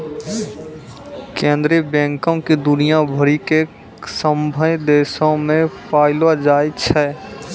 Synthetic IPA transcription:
kẽnd̪ɾebɛ̃ːŋkõkid̪ʊnijãbʱəɾike | səmbʱəjd̪eːsõmẽpʰaːɪlwad͡ʒaːjt͡ʃʰɛ

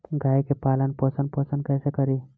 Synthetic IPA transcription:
ɡajkepalənposənposənkɛjsekəɾi

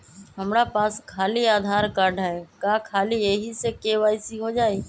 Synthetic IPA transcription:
ɦəmɾapaːskʰaːliaːd̪ʱaːɾkaːɾɖɦɛkaːkʰaːlijeɦisekeːʋaːisiɦod͡ʒaːi

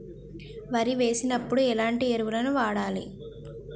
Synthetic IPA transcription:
ʋɐɾiʋe̞ːsinɐpːuɽuɛlaːɳʈieɾuʋulɐnuʋaːɽaːlḭ

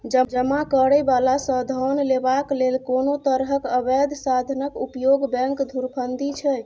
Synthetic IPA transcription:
d͡ʒəd͡ʒəmakəɾɛbalasə̃d̪ʱɔnlebaklelkonot̪əɾɦəkəbɛd̪ʱsad̪ʱnəkupjoɡbɛ̃ŋkd̪ʱuɾpʰənd̪it͡ʃʰɛj

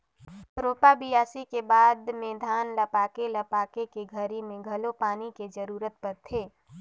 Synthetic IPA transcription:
ɾoːpabɪjaːsikebaːd̪mẽd̪ʱaːnlɐpaːkelɐpaːkekeɡʱəɾimẽɡʱɐlopaːniked͡ʒəɾuːɾət̪̚pɐɾt̪ʰeː

